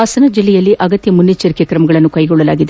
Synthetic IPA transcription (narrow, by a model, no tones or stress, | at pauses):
aːsɐnɐd͡ʒilːɛjɐlːiʔɐɡɐt̪jɐmunːit͡ʃːɐɾikjɐkɾɐmɐɡɐɭɐnːukɐjɡɔɭːɐla̰ːɡid̪e